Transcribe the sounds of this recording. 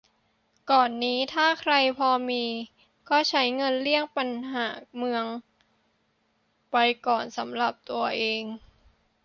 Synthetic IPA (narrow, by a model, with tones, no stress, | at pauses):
kɔː˨˩nːiː˦˥t̪ʰaː˥˩kʰɾa˧jpʰɔː˧miː˧ | kɔː˥˩t͡ɕʰa˦˥jŋɤ˧nli˥˩əŋpa˧nɦaː˩˦mɯ˧əŋ | pa˧jkɔː˨˩nsa˩˦mɾa˨˩p̚t̪u˧ɐʔeː˧ŋ